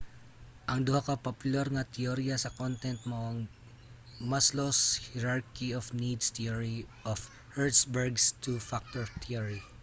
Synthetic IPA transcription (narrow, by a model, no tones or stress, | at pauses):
ʔɐŋd̪ʊhakɐpɐpʊlaɾŋɐt̪ʰɛoɾijasɐkont̪ɛnt̪̚moʔɐŋ | masloshɛɾaɹkiofnid̪st̪ioɹiʔɔf | hɛɹt̪sbɛɹɡst̪ufak̚t̪ɔɹt̪ʰiɐɹi